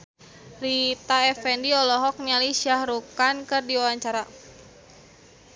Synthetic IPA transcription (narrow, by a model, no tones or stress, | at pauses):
rit̪aɛfɛndiɔlɔɦɔk̚nialisiahrukankɨrdiwawaɲt͡ʃaɾa